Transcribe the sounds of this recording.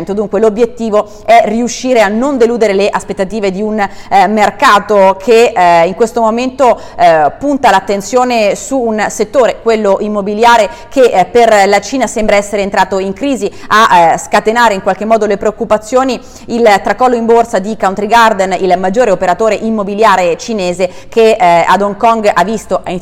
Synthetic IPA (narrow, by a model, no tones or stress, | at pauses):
nt̪od̪uŋkwelobjet̪ːiːvo | ɛriuʃːiːɾeanːond̪eluːd̪eɾeleʔaspet̪ːat̪iːved̪iunmerkaːt̪okʰeiŋkwest̪omoment̪o | punt̪alat̪ːensjoːnesuːnset̪ːoːɾekwelːoʔimːobiljaːɾekʰepːerlat͡ʃiːnasembɾaɛsːeɾeːnt̪ɾaːt̪oiŋkɾiːziaskat̪enaːɾeiŋkwalk̟emːɔːd̪olepɾeokːupat̪sːjoːni | ilt̪ɾakɔːlːoimborsad̪ikawnt̪ɾiɡard̪ɛnilmad͡ʒːoːɾeopeɾat̪oːɾeʔimːobiljaːɾet͡ʃineːze | kea̰d̪oŋkɔŋɡavːist̪oʔ